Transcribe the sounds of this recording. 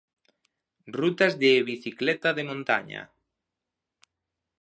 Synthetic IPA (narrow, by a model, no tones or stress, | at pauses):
rut̪azðeːβiθiklɛt̪aðemõnt̪a̰ɲa̰